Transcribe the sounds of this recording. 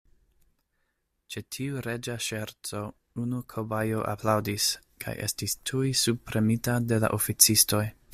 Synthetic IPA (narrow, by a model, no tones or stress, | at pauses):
t͡ʃetʰiuɾe̞d͡ʒaʃeɾt͡so̞ | unukʰobajoʔa̰plawdis | kʰa̰jʔe̞̰stistʰujsub̚pɾe̞mitade̞la̰ʔofit͡sisto̞j